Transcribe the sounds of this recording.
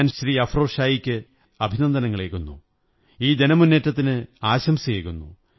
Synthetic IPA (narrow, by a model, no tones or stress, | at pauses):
nɕriːɐfroːʂaːjikʲːɨ | ɐbʱinɐnd̪ʱɐnɐŋːɐɭeːkːunːṵ | iːd̪e̞nɐmunːeːtːɐt̪̬ːinɨaːɕɐmsijeːkːunːṵ